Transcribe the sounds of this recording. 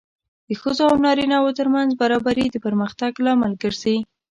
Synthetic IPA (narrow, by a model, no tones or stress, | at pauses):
d̪̥əxəzoawnɑɾinɑwot̪əɾmanzbaɾɑbaɾid̪əpəɾməxt̪aɡlɑmalɡəɾzai